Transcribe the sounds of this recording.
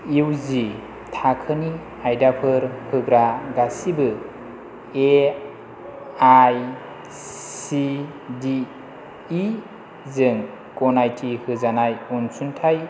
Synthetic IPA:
iwzi | tʰakʰɯni | ajdapʰɯɾhʰɯɡɾaɡasibɯ | e | aj | si | diː | zɯŋ | kɔnajtʰihʰɯzanajunsuntʰaj

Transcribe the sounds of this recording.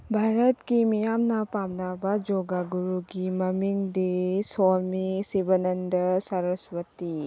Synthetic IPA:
bʱaɾɐtkimijamnɐpamnabɐd͡ʒoɡaɡuɾuɡimɐmiŋdisolmisibɐnɐndɐsɐɾɐswɐti

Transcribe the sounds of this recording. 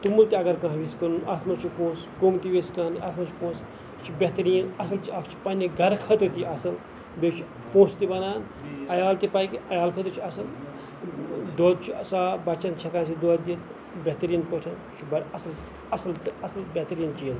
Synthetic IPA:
t̪umult̪iɐɡɐɾkɐ̃ɦʋiskɐnuɐt̪ʰmɐt͡ʃʰupoːsɡomt̪iʋiskaːnɐ̰t̪ʰmɐt͡ʃʰu̥poːs | t͡ʃʰibʲet̪ɐɾijɐnɐsɐlt͡ʃiɐkt͡ʃʰi̥pɐnʲiɡʱɐɾkʰɐt̪ɨt̪iɐsɐl | bet͡ʃʰi | poːst̪ibɐnaːn | ɐjaːlt̪ipaːjkiʔɐjaːlkʰɐt̪uɾt͡ʃʰiɐsɐl | d̪od̪̚t͡ʃʰusaːbɐt͡ʃɐnt͡ʃʰɐkaːnsid̪oːd̪it̪ | bʲet̪ɾijɐnpoʈʰɐnt͡ʃʰibɐɾɐsɐl | ɐsɐlt̪ɐsɐlbʲet̪ɐɾijɐnt͡ʃijɐn

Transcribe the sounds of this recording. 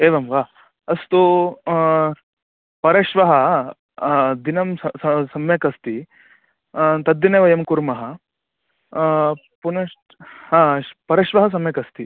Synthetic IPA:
eːʋɐmʋaː | ɐst̪u | pɐɾɐʃʋɐɦɐ | d̪inɐmɐsɐsɐmjɐkɐst̪i | t̪ɐd̪ːineːʋɐjɐmkuɾmɐɦɐ | punɐʂʈ | hãːpɐɾɐʃʋɐɦɐs̬ɐmjɐkɐst̪i

